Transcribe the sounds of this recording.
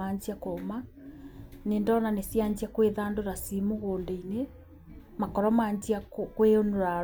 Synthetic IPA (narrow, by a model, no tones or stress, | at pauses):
aɲd͡ʑiakoma | nendɔːnanesjaɲd͡ʑiakweðaːndoɾasimoɣoːndeine | makɔɾɔmaːɲd͡ʑiakkweonoɾa